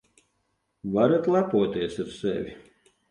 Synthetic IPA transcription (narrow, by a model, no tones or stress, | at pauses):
vaɾat̪lˠapuɔt̪ʲiɛsaɾsɛ̰vʲi